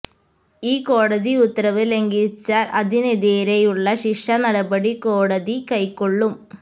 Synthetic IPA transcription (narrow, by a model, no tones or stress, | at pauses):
iːko̞ːɽɐðiut̪ːrɐʋɨle̞ŋɡit͡ɕːaːlʔɐðineðeːɾejuɭːɐɕiʂɐnɐɽɐbɐɽiko̞ːɽɐðikɐjkːoɭːum